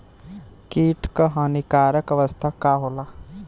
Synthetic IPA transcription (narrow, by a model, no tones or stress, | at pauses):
kiːʈkəɦaːnikaːɾəkəʋəst̪ʰakaːɦoːla